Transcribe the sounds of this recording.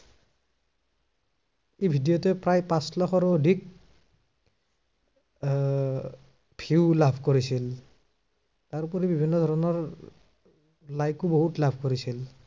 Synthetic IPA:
ejbʱidijɔtɛpɹajpãslɔkʰɔɹːdik̚ | pʰiwlabʱkoɹisil | taɹpɔɹibibʱinːɔdʱɔɹɔnɔɹ | lajkuboɦutlabʱkoɹisil

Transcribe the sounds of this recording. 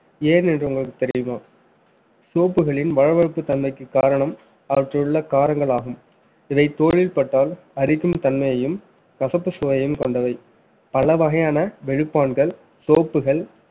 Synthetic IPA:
eːnɛndrɯʊŋɡɐɭɯkːɯ̥t̪ɛɾɪjɯmaː | soːpːɯɣɐɭɪnʋɐɻɐʋɐɻɯpːɯt̪ɐnmɐɪkːɯkːaːɾɐɳɐm | ɐʋɐʈrɐɯɭːɐkaːɾɐŋɡɐɭaːɣɯm | ɪʋɐɪt̪oːɻɪlpɐʈːaːl | ɐɾɪkːɯmt̪ɐnmɐjɐjɯm | kɐsɐpːɯsɔʋɐjɐjɯmkɔɳɖɐʋɐɪ | pɐlɐʋɐɣɐjaːnɐʋɛɻɯpːaːnɡɐɭ | soːpːɯɣɐɭ

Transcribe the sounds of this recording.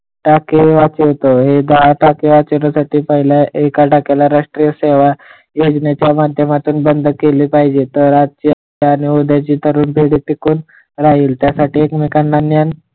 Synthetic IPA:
ʈakeʋat͡ɕet̪oɦed̪əɦaʈakeʋat͡ɕiɾasaʈiːpaɦiljaʔekaʈakelaɾaʂʈɾijəseʋa | jod͡ʑnjat͡ɕjamad̪ʱjəmat̪uːnbənd̪ʱkeliːpaɦid͡ʑet̪əɾɾat̪̚t͡ɕiːə | aːñiod̪ʱjat͡ɕiːt̪ʰəɾuːnpeɽiːʈikuːn | ɾaɦiːlt̪jasaʈiːekmikanːanjan

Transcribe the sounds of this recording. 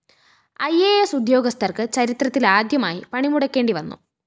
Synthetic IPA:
ɐjeːesud̪jo̞ːɡɐst̪ʰɐrkɨt͡ɕɐɾit̪rɐt̪ːilaːd̪jɐma̰ːjipɐɳimuɽɐkʲːe̞ːɳɖiʋɐnːṵ

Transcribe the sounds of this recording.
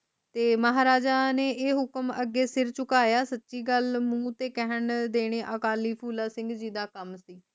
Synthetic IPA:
t̪eːməɦaːɾaːd͡ʒaːneːʔeːɦʊkəməɡːeːsɪɾt͡ʃʊkaːjaːsətːʃiːɡəlmũːt̪eːkɛɦəɳd̪eːɽ̃eːʔəkaːliːpʰuːlaːsɪ̃ŋɡd͡ʒiːd̪aːkəmsiː

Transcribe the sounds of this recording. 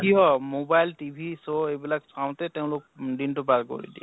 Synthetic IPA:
kiɦɔmobajltibʱisoebilaksaw̃tɛtɛʊ̃lok̚dintʊpaɹko̰ɹḭdḭ

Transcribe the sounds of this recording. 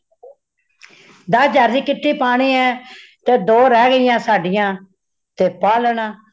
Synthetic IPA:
d̪əsd͡ʒaːɾd͡ʒiːkɪʈʰːiːpaːɽ̃iːɛːt̪eːd̪oːɾɛːɡəɪjãːsaːɖɪjãː | t̪eːpaːləɳaː

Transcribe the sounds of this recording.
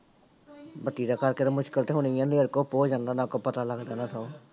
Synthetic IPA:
bət̪ːiːd̪aːkəɾkeːt̪amʊʃkəlt̪eːɦoniːãːd̪eːɽkoːpoːd͡ʒãːnd̪aːnãːkoːpət̪aːləɡd̪eːnaːt̪ʰao

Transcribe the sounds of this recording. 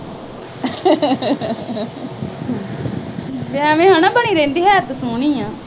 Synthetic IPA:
ʋɛ̃mẽːɦãːnãːbəɳiːɾẽːnd̪iːɦɛːt̪sʊɳĩːãː

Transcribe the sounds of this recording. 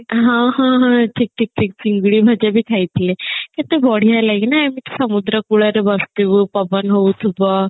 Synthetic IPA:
ɦãɦãɦãʈʰik̚ʈʰik̚ʈʰik̚t͡siŋɡɭiːbʱəd͡ʑabʱiːkʰait̪leket̪ebɔɽ̤ijalaiknaamit̪esəmud̪ɾəkuɽəɾebəst̪iʋəpəbənɦout̪ʰubə

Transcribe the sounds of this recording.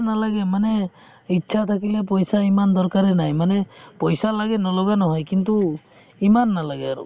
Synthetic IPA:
nalaɡemane | itːt͡ʃʰat̪ʰakilep̬ɔjsaimand̪ɔɾkaɾenajmanepɔjsalaɡenɔlɔɡanɔɦɔjkint̪u | imanːalaɡeaɾṵ

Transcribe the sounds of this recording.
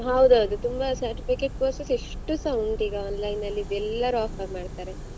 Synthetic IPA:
ɦɐwd̪ɐwd̪ut̪umbɐsɐɾʈipʰikeʈ̚poːɾsesiʂʈusɐwɳɖiːɡeaːnlɐjnːɐlːibɛlːɐɾuaːpʰɐɾmaːɖt̪aːɾe

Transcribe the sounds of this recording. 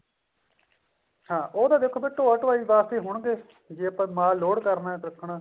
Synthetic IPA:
hãːʔoːd̪aːd̪eːkʰːoːbeːʈoːaːʈʋaːiːʋaːst̪eːɦʊɳɡeː | d͡ʒeːəpãːmaːlːoːɽkəɾnaːkɾəkʰːɳaː

